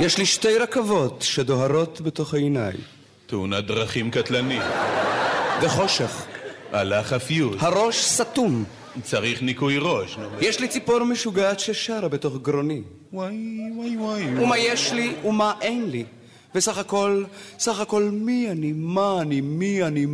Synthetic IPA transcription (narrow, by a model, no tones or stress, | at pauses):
jeʃliʃte̞jʁakavo̞tʃedo̞ɦaʁo̞t̪be̞to̞χhaena̰j | t̪eunad̪ʁaχimkat̪lanim | veχo̞ʃeχʔa̰laχafijut̪haʁo̞ʃsat̪um | t͡saʁiχnikujʁoʃnomjɛʃlit͡sipo̞ʁmeʃuɡaatʃeʃaɾabeto̞χɡɾoni | wajwajwajumajeʃliumaʔejnli | vesaχako̞lsaχako̞lmianimaːnimiani